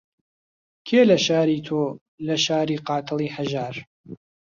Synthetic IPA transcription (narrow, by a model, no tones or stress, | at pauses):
kʰeːlɐʃaːɾiːt̪ʰoː | lɐʃaːɾiːqɑːt̪ʰɨlˠiːħaʒaːɾ